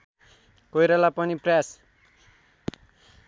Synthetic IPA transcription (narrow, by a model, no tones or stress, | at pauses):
kojɾalapʌnipras